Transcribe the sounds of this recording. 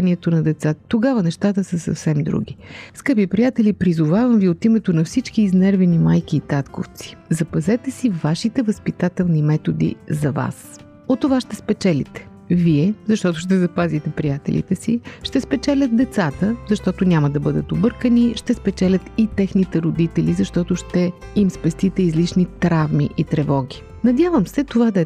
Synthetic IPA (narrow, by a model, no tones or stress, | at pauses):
aniɛt̪onɐd̪ɛt̪sat̪oɡavənɛʃt̪at̪əsɐsɐ̰fsɛmd̪ɾṵɡʲiskɤpipɾijat̪ɛlʲipɾizʊvavɐmviot̪imɛt̪onɐfsit͡ʃkiːznɛɾvɛnimajk̟iːt̪at̪ko̰ft̪si̥zɐpɐzɛt̪ɛsivaʃit̪ɛvəspit̪at̪ɛlˠnimɛt̪od̪ḭzɐva̰s | ot̪ːovaʃt̪ɛspɛt͡ʃɛlḭt̪ɛ̥ | viɛzɐʃt̪ɔt̪ʊʃt̪ɛzɐpazit̪ɛpɾijat̪ɛ̰lʲḭt̪ɛsiʃt̪ɛspɛt͡ʃɛlʲət̪̚d̪ɛt̪sat̪əzɐʃt̪ɔt̪ʊnʲaməd̪ɐbɤd̪ət̪obɤɾkəniʃt̪ɛspɛt͡ʃɛlʲət̪it̪ɛxnit̪ɛɾod̪it̪ɛlʲizɐʃt̪ɔt̪oʃt̪ɛimspɛst̪it̪ɛizlit͡ʃnit̪ɾavmiʔit̪ɾɛvɔɡʲi | nɐd̪javəmsɛt̪ovad̪ɐɛ